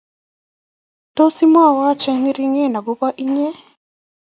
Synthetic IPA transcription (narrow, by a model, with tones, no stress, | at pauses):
to˦si˦mwaː˦˨wa˦t͡ʃe˦ni˦ɾi˦ŋe˦na˨ɡo˦βa˦ʔi˦ɲe˦